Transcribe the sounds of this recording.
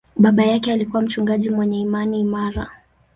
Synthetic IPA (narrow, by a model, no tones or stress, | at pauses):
ɓaɓajakɛalikuwam̩t͡ʃuŋɡaʄimwɛɲɛimaniːmaɾa